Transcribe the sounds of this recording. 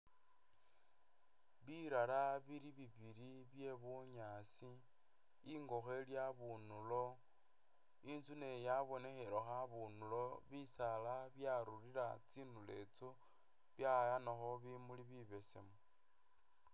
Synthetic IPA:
βiɾalaβiɾiβiβiɾiβje̞βuɲasi | iŋɡo̞xe̞ljaβunulo̞ | int͡sunejaβo̞ne̞xeɾoxaβunulo̞βisalaβjaɾuriɾat͡sinule̞t͡so | βjajanoxoβimuliβiβe̞sḛmo

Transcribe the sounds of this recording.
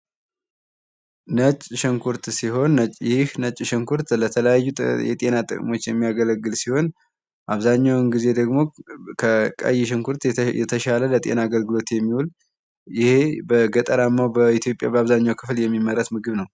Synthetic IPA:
nət͡ʃʼʃɪŋkʰuɾt̪siɦo̞nːət͡ʃʼjɪhnət͡ʃʼːʃɨŋkʰuɾt̪lət̪ʰələjajːujɛ̰t̪ʼe̞nat̪ʼɨ̰kʼmo̞t͡ʃːjɛmːijaɡələɡːɨlsiho̞n | ʔaβzaɲːawnɡize̞d̪əɡmo̞kʰəkʼə̰jɪʃ̬ɪŋkʰuɾt̪jɛ̰t̪ʰəʃalələt̪ʼe̞̰naːɡəlɡɨlo̞t̪jɛmːiwul | jɪhe̞bəɡət̪ʼəɾamːawbəit̪jo̞pʼːja̰bəaβzaɲːawkʰɨfljɛmːiməɾət̪mɨɡɨβnəw

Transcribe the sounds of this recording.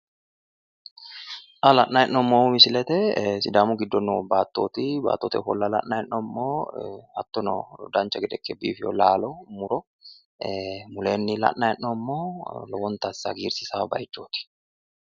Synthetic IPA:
ʔɐlɐʔːajɛnːɔmːoːmɪsɪlɛt̪ɛsɪd̪aːmʊɡɪd̪ːɔnɔbaːt̪ːoːt̪iba̰ːt̪ːoːt̪ɪfɔlːɐlɐ̰ʔnajɛʔːɔmːoːɐt̪ːɔnɔ̰d̪aːnt͡ʃɐɡɛd̪ɛkːɛbḭːfjɔ̰laːlɔmʊɾɔ | mʊleːnːɪlɐ̰ʔːaɛnnɔmːoːlɔwɔnt̪ɐsːɐ̰ɡiːɾsɪsaːbɐ̰jt͡ʃːoːt̪ɪ̥

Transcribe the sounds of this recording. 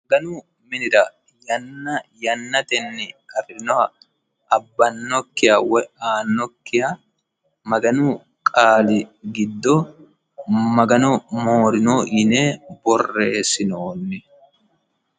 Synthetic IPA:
mɐɡɐnuː | mɪnɪɾɐ | jɐnːɐjɐnːɐt̪ɛnːɪkʼɐrɪnɔ | ɐbːɐnːɔkːɪjɐwɛaːnːɔkːɪjɐ | mɐɡɐnuː | kʼaːlɪɡɪd̪ːɔ | mɐɡɐnɔmoːɾɪnɔʔɪneːbɔrːe̞ːsɪnoːnːɪ

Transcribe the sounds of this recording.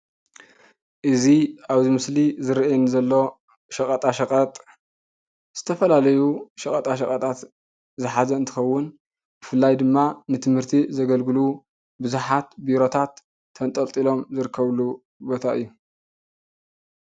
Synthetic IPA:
ʔɨziaβzimɨslizɨɾʔenzɐlːo̞ | ʃɐkʼɐt̪ʼaʃɐkʼɐt̪ʼ | z̥ɨt̪ʰɐfɐlalɐjuʃɐkʼɐt̪ʼaʃɐkʼɐt̪ʼat̪ | zɨħazɐɨnt̪ʰɨxɐwːʊn | b̥ɨfɨlːajd̪ɨmːanɨt̪ʰɨmhɨɾt̪ʰizɐɡɐlɡɨlu | bɨzuħat̪biɾo̞t̪ʰat̪ʰː | ɐnt̪ʼɐlt̪ʼilo̞mzɨɾɨkʰːɐβlu | bo̞t̪ʰaʔɨjːu

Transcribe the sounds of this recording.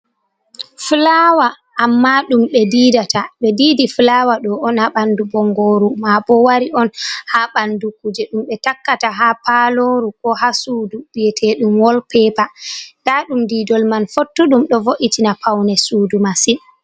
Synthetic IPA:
flawa | ʔːmːaɗumɓɛdiːdatʰaɓɛdiːdiflawaɗɔɔnhaɓandubɔŋɡoːɾumabɔwaɾiɔnhaɓandukud͡ʒɛɗumɓɛtakːataɦapaloɾukɔhasuːdub̥ijɛtʰɛɗumwɔlpɛpadaɗumdiːdɔlmanfotːuɗumɗɔvoʔitinapʰawnɛsuːdumasin

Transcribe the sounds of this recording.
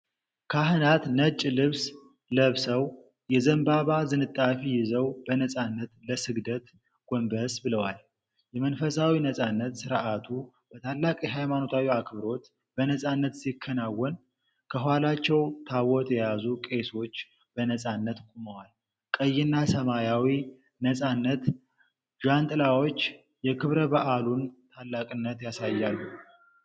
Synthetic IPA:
kʰaɦɨnat̪nət͡ʃʼːlɨβs | ləβsəw | jɛzəmbaβazɨnɨt̪ʼːafijɪzəwbənəsʼanːət̪ləsɨɡd̪ət̪ | ɡ̥ombəsbɨləwal | jɛmənfəsawinəsʼanːət̪sɨɾʔat̪ʰu | b̥ət̪ʰalːakʼiɦajmano̞t̪ʰawiakbɨɾo̞t̪ | b̥ənəsʼanːət̪sikʰːənawːɔn | kʰəɦalat͡ʃːɛwt̪ʰawɔt̪ʼjɛjazukʼe̞so̞t͡ʃː | bənəsʼanːət̪kʼuməwal | kʼəjːɪnːasəmajawi | nəsʼanːət̪ | ʒant̪ʼɨlawot͡ʃː | jɛkʰɨβɾəbəʔalunt̪ʰalːakʼɨnːət̪jasajːalːu

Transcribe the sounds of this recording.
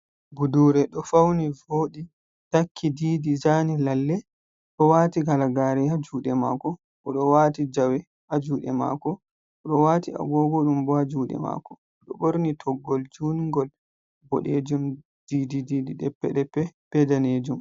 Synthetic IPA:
buduɾɛɗɔfawnivoːɗi | takʰːidiːdizanilalːɛ | ɗɔwaːtiɡalaɡaɾihad͡ʒuːɗɛma̰kɔ | ʔɔɗɔwaːtid͡ʒawɛ | ʔad͡ʒuːɗɛ̰ma̰ːkɔ | ɔɗɔwaːtia̰ɡɔɡɔɗumbɔhad͡ʒuːɗɛ̰ma̰ːkɔ | ɗɔboɾnitʰɔɡːɔld͡ʒuːnŋɡɔl | bɔ̰ɗed͡ʒum | d̥iːdidiːdiɗɛpːɛɗɛpɛpɛdaneːd͡ʒum

